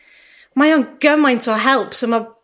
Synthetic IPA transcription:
majəŋɡ̥əmãj̃ntʰɔɦɛlˠpsoma

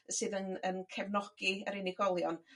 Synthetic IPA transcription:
sɨːðənənkʰɛvnɔɡ̥iəɾɪnɪɡɔlˠjɔn

